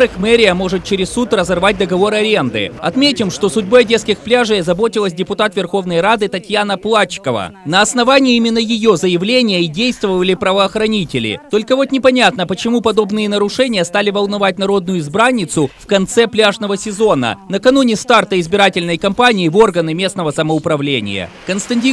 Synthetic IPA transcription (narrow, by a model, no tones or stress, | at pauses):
ɾɨxmɛɾʲɪjəmo̞ʐɨt̪̚t͡ɕɪɾʲɪssːut̪rəzɐrvat̚ʲd̪əɡɐvo̞ɾɨɐɾʲe̞nd̪ɨ̰ɐ̰t̪mʲetʲɪmʂt̪o̞sʊdʲboɐdʲeskʲɪxplʲaʐəjɐzɐbo̞tʲɪlˠəs̬ʲdʲɪpʊt̪at̪vʲɪrxo̞vnəjɾad̪ɨt̪ɐtʲjanəplˠat͡ɕkəvə̰nəɐsnɐvanʲɪːimʲɪnːəjɪjo̞zəjɪvlʲenʲɪjəidʲejst̪vəvəlʲɪpɾəvəːxɾɐnʲitʲɪlʲɪ̰t̪o̞lʲkəvo̞t̪nʲɪpɐnʲat̪nəpət͡ɕɪmupɐd̪o̞bnɨjənəɾʊʂɛnʲɪjəst̪alʲɪvəlˠnɐvat̚ʲnɐɾo̞d̪nʊjʊɪzbɾanʲːɪt̪sʊfkɐnt̪sɛplʲaʐnəvəsʲɪzo̞nə̰nəkɐnunʲɪst̪art̪əɪzbʲɪɾatʲɪlʲnəjkɐmpanʲɪːvo̞rɡənɨmʲe̞sn̪əvəsəməʊpɾɐvlʲḛnʲɪ̰jə̰kənst̪ɐnʲtʲi